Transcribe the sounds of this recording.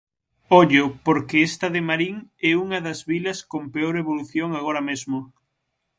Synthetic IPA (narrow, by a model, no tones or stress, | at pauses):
ɔʎʊpoɾkɪest̪ɐðɪmaɾiŋɛuŋɐðɐzβilɐskompeoɾeβ̞oluθjoŋaɣ̞oɾɐmezmʊ